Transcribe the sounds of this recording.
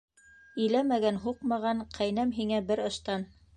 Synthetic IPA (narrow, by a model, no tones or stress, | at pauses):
ɵ̆jlæmæɡænɦuqmɑʁɑɴqʰæjnæmɦiŋæbɘɾɤ̆ʃt̪ɑn